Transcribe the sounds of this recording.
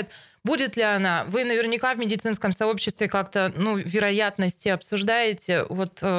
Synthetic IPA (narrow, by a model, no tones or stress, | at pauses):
ɪt̪ | budʲɪt̪lʲɪɐnavɨnəvʲɪrnʲɪkavmʲɪdʲɪt̪sɨnskəmsɐo̞pɕːɪst̪vʲɪkakt̪ənuvʲɪɾɐjat̪nəsʲtʲɪɐpsʊʐd̪ajɪtʲɪvo̞t̪